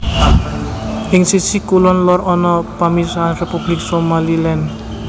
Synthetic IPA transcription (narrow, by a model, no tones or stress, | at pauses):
ʔɪŋsi̥sikulɔnlɔrɔnɔpamisarepub̥lɪk̚somalilɛn